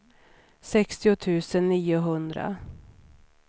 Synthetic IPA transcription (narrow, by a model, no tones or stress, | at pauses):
sɛkst̪ɪʊt̪ʰʉ̟ːsənːiːʊɦɵnd̪ɾa̰